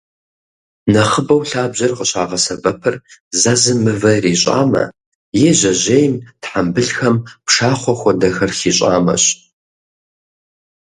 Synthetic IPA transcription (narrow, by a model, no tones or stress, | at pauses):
nɐχəbɐwɬaːbʑɐrqəɕʼaːʁɐsɐbɐpʰɐrzazɨmɨvɐriːɕʼa̰ːmɐ̰ | jeːʑɐʑejmtħambɨɬxɐmpʂaːχʷɔxʷɔdɐxɐrxiːɕʼa̰ːmɐ̰ɕ